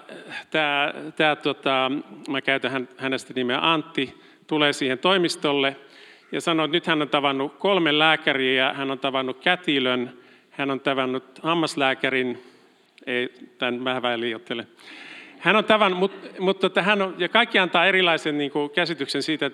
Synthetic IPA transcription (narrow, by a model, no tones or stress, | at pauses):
t̪æːt̪æːt̪uot̪ɑmækæyt̪æhænhænest̪ænimeʔɑnt̪ːi | t̪uleːsiːhent̪oimist̪olːe | jɑsɑnoːt̪nyt̪hænːont̪ɑʋɑnːukolmellæːkæriːjɑhænont̪ɑʋɑnːukkæt̪iløn | hænont̪ɑʋɑnːut̪ɑmːɑslæːkærin | eit̪ænmæhʋæiliːjot̪ːele | hænont̪ɑʋɑnːumut̪mut̪uot̪ːɑhænojɑkɑikːiɑnt̪ɑːerilɑisenniːŋkukæsit̪yksensiːt̪æ